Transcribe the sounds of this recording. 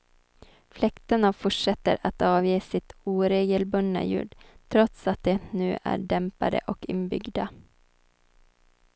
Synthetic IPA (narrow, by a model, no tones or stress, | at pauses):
flɛkt̪ənafʊʈʂɛt̪ːəɾat̪ɑːvjiːsɪt̪uːɾeːɡəlbɵnːa̰jʉ̟̰ːɖʈʰɾɔt̪sat̪̚d̪ɛnʉ̟̰ːʔæ̰ɖɛmpa̰d̪ə̰ʔɔkɪnbʏɡd̪a